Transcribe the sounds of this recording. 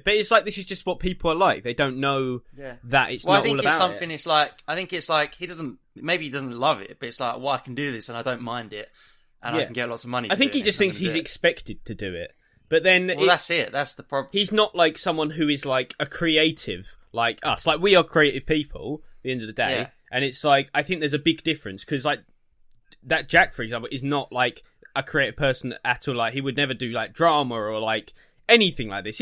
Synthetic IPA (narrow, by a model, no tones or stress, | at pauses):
b̥ʌɾɪtslaɪk̚ðɪsɨzd͡ʒʌst̚wɒt̚pʰiˑpʰl̩ˠəlaɪk̚ðeɪdõʊ̃nːoʊjæðətɪ̰tswɛlaɪθɪɔlˠəbaʊsʌ̃mθɪ̃ŋɪtslaɪkaɪθɪ̃ŋkɨtslaɪkhidʌz̃n̩ | meɪbiidʌz̃n̩lʌvɪ̰t̚b̥ʌɾɨtslaɪkwaɪaɪkʰn̩dɨðɪsə̃naɪdə̃ʊ̃nmãɪ̃ndɪt̚ | ʔə̃najæn̩ɡɛtlɔtsʌvmʌniaɪθɪ̃ŋkhid͡ʒʌst̪θɪ̃ŋkshizɨkspɛk̚tɨd̥̚tʰɨdɨɪ̰t̚ | b̥ʌt̪̚ðɨ̃nɪðætsɪt̚ðætsðəpʰɹ̥ɑbhiznəʔlaɪksʌ̃mwʌ̃nɦʉɪzlaɪkɨkʰɹ̥ieɪtʰɪv̥ | laɪkʰʌ̰slaɪkwiəkʰɹ̥ieɪɾɨv̥pipʰə̰l̩ˠðiɛ̃ndəvðɨdeɪ | ʔɨ̃nɪtslaɪkaɪθɪ̃ŋk̚ðə˞zɨbɪɡ̚dɪfɹɨ̃nskʰʌzlaɪk̚ | ðɨt̚d̥ʒ̥ækfə˞ɨɡzæ̃mplˠɪznəʔlaɪk | ʔəkʰɹ̥ieɪɾɨv̥pʰɜ˞sn̩ʔætʰəlaɪkhiwɨdⁿnɛvə˞dɨlaɪk̚dɹɑmə˞əlaɪk | ɛniθɪ̃ŋlaɪk̚ðɪs